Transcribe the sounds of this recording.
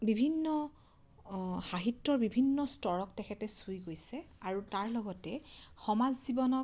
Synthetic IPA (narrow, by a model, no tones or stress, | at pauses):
bibʱinːɔ | xaɦitːɔɹbibʱinːɔstɔɹɔk̚tɛkʰɛtɛsujɡojsɛaɹutaɹlɔɡɔtɛxɔmazzibɔnɔ